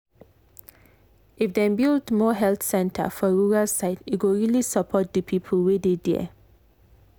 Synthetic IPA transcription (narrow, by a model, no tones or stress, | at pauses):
ʔɪfd̪ɛ̃nbildmɔːɦɛlθsɛ̃ntʰə̰fɔɹuːɹəlsaɪtɪɡoɹilisəpʰɔt̚d̪əpʰipʰəlwid̪edɛ̰